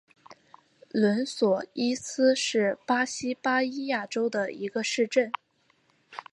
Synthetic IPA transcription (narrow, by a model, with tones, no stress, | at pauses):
lwə˧˥nswɔ˨˩i˥sɹ̩˥ʂɻ̩˥˩pa˥ɕi˥pa˥i˥ja˥˩ʈ͡ʂo˥ʊd̪ə˨i˧˥ɡə˧ʂɻ̩˥˧ʈ͡ʂə˥˩n